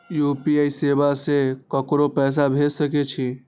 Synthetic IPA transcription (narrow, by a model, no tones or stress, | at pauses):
jupiaisebasekəkɾopɛːs̬abʱed͡ʒsəkɛt͡ʃʰi